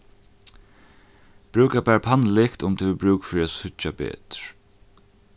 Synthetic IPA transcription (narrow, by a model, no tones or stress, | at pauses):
b̥ɾʉːkabæːɾpʰanlɪkt̪ʊmt̪ʰuːʋɪbɾʉːkfɾiːasʊt͡ʃabɛ̰ːt̪ɹ